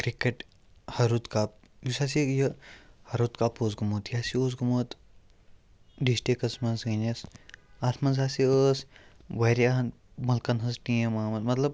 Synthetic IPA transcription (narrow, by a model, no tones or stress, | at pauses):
kɾikeʈ | hɐɾut̪kaːp̚ | jusaːsijɐhɐɾut̪kaːpoːzɡumoːt̪jaːsioːzɡɐmoːt̪ | ɖisʈikɐsmɐnzɡɐnʲɐsasmɐnzaːsiəs | ʋɐɾjan | mɐlkɐnɦɐsʈiɐmaːmɐd̪mɐt̪lɐb̚